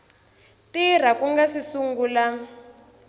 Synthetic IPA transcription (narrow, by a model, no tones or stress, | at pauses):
tir̤akuŋɡasisuŋɡula